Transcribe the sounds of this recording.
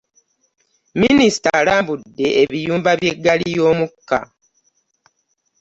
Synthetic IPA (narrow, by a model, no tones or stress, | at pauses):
minisi̥talaːmbudːe̞eβijuːmbaβje̞ɡːaliijoːmukːa̰